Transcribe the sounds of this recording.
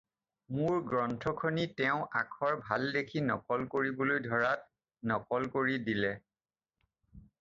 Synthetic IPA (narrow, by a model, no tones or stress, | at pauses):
mʊɹɡɹɔntʰɔkʰɔnitɛʊ̃ʔakʰɔɹbʱaldekʰinɔkɔlkoɹibolojdʱɔɹat̚ | nɔkɔlkoɹidilɛ